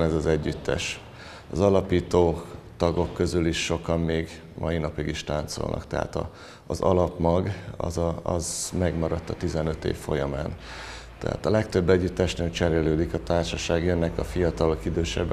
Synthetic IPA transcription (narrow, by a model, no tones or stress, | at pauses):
nɛzɒzɛɟːyt̪ːɛ̰ʃ | ɒzɒlɒpiːt̪oːt̪ɒɡo̞kːø̞zyliʃːo̞kɒmːeːɡ | mʔɒjinɒpiɡiʃt̪aːnt̪so̰lnʔɒ̰kt̪ɛɦa̰t̪ɒ̰ː | zɒ̰lɒpmɒɡɒ̰zɒɒzmɛɡmɒɾɒt̪ːɒt̪izɛnø̞t̪ḛːfːo̞jɒmaːn | t̪ɛ̰ɦa̰ːt̪ɒlɛkt̪ø̞bːɛɟːyt̪ːɛʃnent͡ʃɛɾeːløːd̪ikɒt̪aːrʃɒʃaːɡjønːɛkɒfijɒt̪ɒlo̞kid̪øːʃɛ̰bː